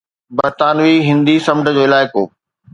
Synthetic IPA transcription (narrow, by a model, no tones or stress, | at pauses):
bɐɾt̪aːnʋiɦɪ̃nd̪isɐmʈəd͡ʑoːɪlaːɪko̰ː